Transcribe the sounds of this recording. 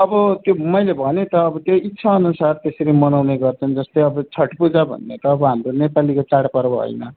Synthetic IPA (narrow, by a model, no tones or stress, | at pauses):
ʌbʌt̪jomʌjlebʱʌnet̪ʌːbʌt̪joitːsʰaʌnusart̪esʌɾimʌnawneɡʌrt͡sʰʌnd͡zʌst̪ʌjʌbʌt͡sʰʌʈpud͡zabʱʌ̰nːḛt̪ʌːbʌɦamronepalikot͡saɽpʌɾbʌɦʌ̰jnʌ